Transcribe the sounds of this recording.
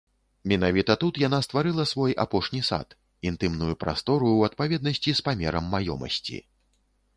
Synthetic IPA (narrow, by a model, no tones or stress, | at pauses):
mʲɛnavʲit̪ɐt̪ut̪jan̪ast̪vaɾɨlˠɐsvɔja̰pɔʂnʲisa̰t̪ | int̪ɨmnujupɾa̰st̪ɔɾuwɐt̪̚pavʲɛd̪̚nɐsʲt͡sʲispamʲɛɾɐmːajɔ̰mɐ̰sʲt͡sʲḭ